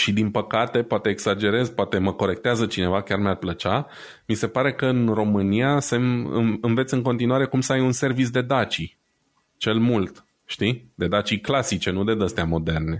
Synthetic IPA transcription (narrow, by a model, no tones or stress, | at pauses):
ʃid̪inpəkat̪e̞poat̪e̞ːɡsad͡ʒe̞ɾe̞zpoat̪e̞məko̞ɾe̞kt̪eazət͡ʃine̞vakʲarmarplət͡ʃa | mise̞paɾe̞kəɨnro̞mɨnijase̞mɨ̰ɨnve̞t̪sɨŋko̞nt̪inuaɾe̞kumsəajunse̞rvit̪s̬d̪e̞d̪at͡ʃi | t͡ʃe̞lmult̪ | ʃt̪id̪e̞d̪at͡ʃiklasit͡ʃe̞nud̪e̞d̪əst̪eamo̞d̪e̞rne̞